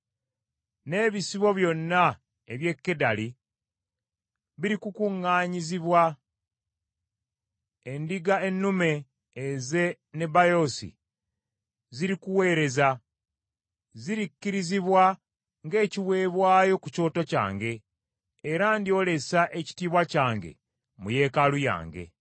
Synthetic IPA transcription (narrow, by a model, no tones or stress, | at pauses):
ne̞βisiβo̞βjo̞nːa | e̞βje̞kːe̞dali | βiɾikukuŋːaːɲiziβwa | endiɡaenːume̞ː | ze̞ | ne̞bajo̞sḭ | ziɾikuwe̞ːɾe̞za | ziɾikːiɾiziβwa | ŋɡe̞ːciwe̞ːβwaːjo̞kuco̞ːto̞ca̰ːŋɡe̞ː | ɾandio̞le̞saʔe̞ci̥tiːβwacaːŋɡe̞̰ | muje̞ːkaluja̰ːŋɡe̞̰